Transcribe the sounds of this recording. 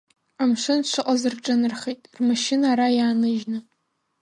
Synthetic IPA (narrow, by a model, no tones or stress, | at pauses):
amʂɨnʃʷʰɨqʼazɨrʈ͡ʂʼɨnɨrχejtʼrmaʃɪnaːɾajaːnɨʒnɨ